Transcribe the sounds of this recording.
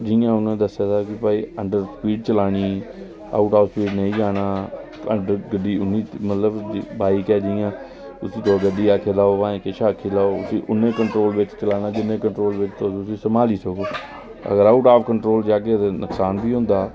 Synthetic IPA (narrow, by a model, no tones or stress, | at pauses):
d͡ʒɪjãːʊnãːd̪əsːjaːt̪aːkɪpaːiːəɳɖəɾsəpiːɖt͡ʃəlaːɽ̃iː | a̰ːʊʈaːʋspiːɖneĩːd͡ʒaːɽ̃aː | əɳɖəɡəɖiːʊnːiːmət̪ləbbaːikɛːd͡ʒɪjãː | ʊsĩːt̪õːɡəɖiːaːkʰeːlaːoːʋãːẽːkeʃaːkʰiːlaːoːʊsiːʔʊnẽːkəɳʈɾoːlʋɪt͡ʃt͡ʃəlaːnaːd͡ʒɪnːẽːkəɳʈɾoːlʋɪt͡ʃt̪oːsʊsĩːsəmaːliːsəkoː | ə̰ɡəɾaːʊʈaːpkəɳʈɾoːld͡ʒaːɡeːt̪eːnʊksaːnbʱiːɦʊ̃nd̪aː